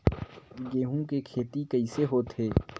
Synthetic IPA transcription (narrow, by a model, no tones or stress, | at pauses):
ɡeːɦũkekʰeːt̪ikɐiseɦoːt̪ɦeː